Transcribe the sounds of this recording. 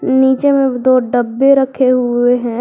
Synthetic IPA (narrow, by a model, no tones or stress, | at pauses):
niːt͡ʃemẽd̪oːɖəbːeɾəkʰeɦʊeɦɛ̃ː